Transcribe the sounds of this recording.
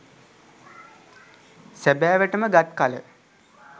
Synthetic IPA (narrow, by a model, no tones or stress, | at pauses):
sæbæːʋəʈəməɡat̪̚kalə̰